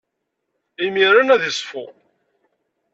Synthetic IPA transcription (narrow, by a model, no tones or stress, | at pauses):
imiɾənæðisˤfʊ